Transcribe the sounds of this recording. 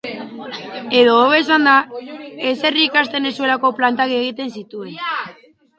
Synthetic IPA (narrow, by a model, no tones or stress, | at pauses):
e̞ðo̞ːβe̞s̬and̪ae̞se̞riːkast̪e̞ne̞sue̞lako̞plant̪aɣie̞ɣit̪e̞nsit̪ue̞n